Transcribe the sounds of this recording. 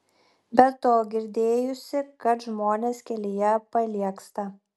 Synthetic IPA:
bʲɛt̪ːoːɡʲɪɾʲd̪ʲeːjʊsʲɪkɐt̪ʒmoːnʲeːskʲɛlʲɪjɛpɐlʲiɛkst̪ɐ

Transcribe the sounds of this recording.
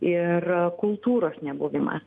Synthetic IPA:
ɪrkʊlˠt̪uːɾoːsnʲɛbʊʋʲɪmɐ̰

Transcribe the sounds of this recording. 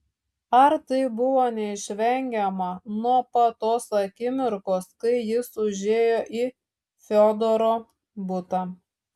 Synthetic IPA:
ɐɾt̪ɐɪbʊʋoːnʲɛɪʃʲʋʲɛŋʲɡʲɛmɐnuɔpɐt̪oːsɐkʲɪmʲɪɾkoːskɐɪjɪsʊʒʲeːjoːʔiː | fʲoːd̪oɾoː | bʊt̪ɐ

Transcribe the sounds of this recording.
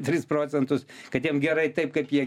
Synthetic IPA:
t̪ʲɾʲɪsproːt͡s̪ʲɛnt̪ʊskɐt̪jiɛmɡʲɛɾɐɪt̪ɐɪp̚kɐɪpjiɛ

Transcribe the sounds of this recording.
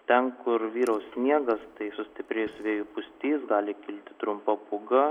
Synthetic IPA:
t̪ʲɛnkʊɾʋʲiːɾɐʊssʲnʲiɛɡɐst̪ɐɪsʊsʲt̪ʲɪpʲɾʲeːjʊsʲʋʲeːjʊpʊsʲt̪ʲiːsɡɑːlʲɪkʲɪlʲt̪ʲɪ̥t̪ɾʊmpɐpʊɡɐ

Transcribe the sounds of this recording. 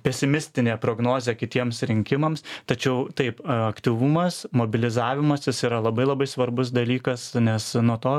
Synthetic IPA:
pʲɛsʲɪmʲɪsʲt̪ʲɪnʲeːpɾoːɡnoːzʲeːkʲɪt̪ʲiɛmsɾʲɪŋʲkʲɪmɐmst̪ɐt͡ʃʲɛʊt̪ɐɪpɐkt̪ʲiʋumɐsmoːbʲɪlʲɪzɑːʋʲɪmɐsjɪsiːɾɐlˠɐbɐɪlˠɐbɐɪsʋɐɾbʊs̬d̪ɐlʲiːkɐsnʲɛsnuɔt̪oː

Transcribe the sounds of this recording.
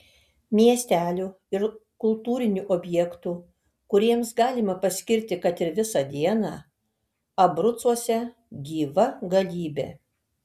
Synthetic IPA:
mʲiɛsʲt̪ʲæːlʲu | ɪɾkʊlˠt̪uːɾʲɪnʲuʔoːbʲjɛkt̪u | kʊɾʲiɛmsɡɑːlʲɪmɐpɐsʲkʲɪɾʲt̪ʲɪkɐt̪ɪɾʋʲɪsɐd̪ʲiɛnɑː | ɐbɾʊt̪suɔsʲɛ | ɡʲiːʋɐɡɐlʲiːbʲḛː

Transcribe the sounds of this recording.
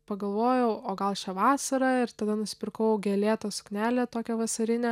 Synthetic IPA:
pɐɡɐlˠʋoːjɛʊoːɡɐlˠʃʲɛʋɑːsɐɾɐɪɾt̪ɐd̪ɐnʊsʲɪ̥pʲɪrkɐʊɡʲeːlʲeːt̪oːsʊ̥knʲæːlʲeːt̪oːkʲɛʋɐsɐɾʲɪnʲɛ

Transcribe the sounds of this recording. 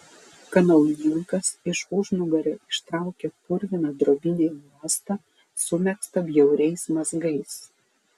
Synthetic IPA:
kɐnɐlˠjʲɪŋkɐsɪʃʊʒnʊɡɐɾʲɛɪʃt̪ɾɑˑʊkʲepʊɾʲʋʲɪnɐd̪ɾoːbʲɪnʲemuɔst̪ɐ | sʊmʲɛkst̪ɐbʲjɛʊɾʲɛɪsmɐzɡɐɪs

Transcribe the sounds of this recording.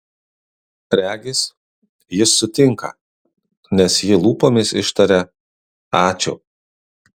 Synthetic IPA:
ɾʲæːɡʲɪs | jɪsːʊt̪ʲɪŋkɐ̰ | nʲɛsjɪlˠuːpoːmʲɪsɪʃt̪ɐɾʲɛ | ɑːt͡ʃʲʊ̰

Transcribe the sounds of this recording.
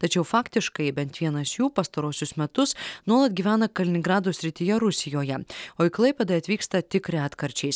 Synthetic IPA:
t̪ɐt͡ʃʲɛʊfɑːkt̪ʲɪʃkɐɪbʲɛnt̪ʋʲiɛnɐsjuːpɐst̪ɐɾuɔsʲʊsmʲɛt̪ʊsnuɔlˠɐt̪̚ɡʲiːʋʲæːnɐkɐlʲɪnʲɪŋɡɾɑːd̪uːsʲɾʲɪt̪ʲɪjɛɾʊsʲɪjoːjɛoːɪklˠɐɪpʲɛd̪ɐɐt̪ʲʋʲiːkst̪ɐt̪ʲɪkɾʲɪɑːt̪kɐɾʲt͡ʃʲɛɪs

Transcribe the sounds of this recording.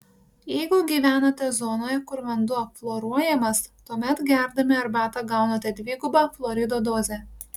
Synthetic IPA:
jɛɪɡʊɡʲiːʋʲæːnɐt̪ʲɛzɔnoːjɛkʊɾʋɐnd̪ʊɐpflˠoːɾuɔjɛmɐst̪uɔmʲɛt̪ɡʲæˑɾd̪ɐmʲɪɐɾbɑːt̪ɐɡɑˑʊnɐt̪ʲɛd̪ʲʋʲiːɡʊbɑflˠɔːɾʲɪd̪oːd̪oːzʲɛ

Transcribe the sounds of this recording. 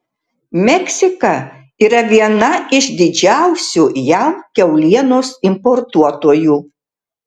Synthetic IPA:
mʲɛkʲsʲɪkɐ | iːɾɐʋʲiɛnɐɪʃd̪ʲɪd͡ʒʲæˑʊsʲuːjæmkʲɛʊlʲiɛnoːsɪmpɔɾt̪uɔt̪oɔjuː

